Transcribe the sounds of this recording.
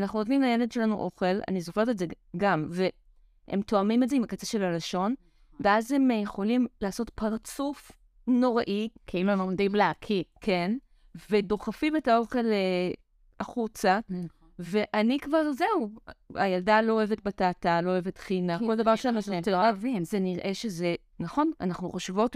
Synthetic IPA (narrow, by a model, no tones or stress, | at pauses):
anaχnuodlimlajeledʃe̞lanuʔo̞χe̞la̰nizoχeʁteze | ɡamve̞ | ḛmto̞amimeze̞imakat͡seʃe̞lalaʃo̞n | veʔazhe̞mjeχo̞limlaːso̞tpaʁt͡suf | no̞ʁaʔikʰailuemomd̪imleakʰikʰen | ve̞do̞χafimetaoʁkale | aχut͡sa | ve̞ʔanikvaʁze̞ua̰jaldalo̞oevet̚bataːtalo̞oeve̞tχinako̞ld̪avaʁʃeanaχneavimzeniʁʔe̞ʃe̞ze̞ | naχo̞na̰naχnuχaʃvo̞t